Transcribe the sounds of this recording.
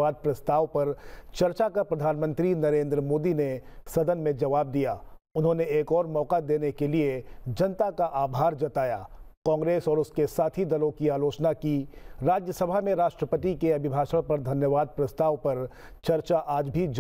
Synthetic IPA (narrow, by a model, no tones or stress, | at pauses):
aːd̪̚pɾɐst̪aːʋpɐɾt͡ʃɐɾt͡ʃakapɾɐd̪ʱaːnmə̃nt̪ɾinɐɾẽːnd̪ɾəmoːd̪inesɐd̪ənmẽd͡ʒɐʋaːb̚d̪ijaː | ʊnɦõneeːkɔːɾmɔːqad̪eːnekelied͡ʒɐnt̪akaʔaːbʱaːɾd͡ʒɐt̪aːja̰ːkɔ̃ːŋɡɾeːsɔːɾʊskesaːt̪ʰid̪ɐlõkiaːloːt͡ʃnakiɾaːd͡ʒjəsɐbʱamẽɾaːʃʈɾəpət̪ikeɐbʱɪbʱaːʃəɽpɐɾd̪ʱɐnjəʋaːd̪̚pɾɐst̪aːʋpɐɾ | t͡ʃɐɾt͡ʃaʔaːd͡ʒbʱid͡ʒ